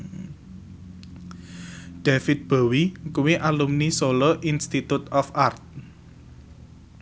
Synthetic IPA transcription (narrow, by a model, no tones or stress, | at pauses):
ɖ̥afɪt̪̚b̥a̤wikuwiʔalumnisolɔʔinst̪it̪ut̪ɔfart̪̚